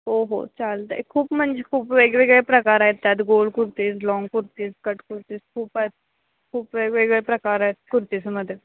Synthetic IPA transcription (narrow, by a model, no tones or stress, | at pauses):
ɦoːɦo̰ːt͡ʃaːld̪akʰuːbmɐnd͡ʒkʰuːbʋeːɡʋeːɡepɾɐkaːɾat̪ːɛd̪ɡoːlkʊɾt̪iːzlɔːŋɡkʊɾt̪iskɐʈkʊɾt̪iskʰuːpat̪̚ | kʰuːpʋeːɡʋeɡepɾɐkaːɾat̪kʊɾt̪ismɐd̪e